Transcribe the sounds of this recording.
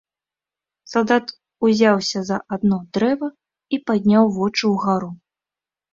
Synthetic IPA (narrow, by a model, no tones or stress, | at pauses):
salˠd̪at̪ | uzʲawsʲɐzɐʔad̪nɔd̪ɾɛvɐ | ipad̪ʲnʲawvɔt͡ʂɨwɣaɾu